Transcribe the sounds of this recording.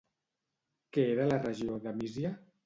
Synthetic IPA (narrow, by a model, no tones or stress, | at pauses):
keeɾəlarəʒioðamizja